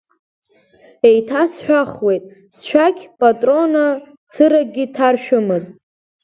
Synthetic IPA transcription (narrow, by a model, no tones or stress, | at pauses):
e̞jtʰasħʷᶣaχwe̞jtʼ | sʃᶣaɡʲpʼatʼro̞na | t͡sʰɨɾaɡʲitʰarʃᶣʊmɨztʼ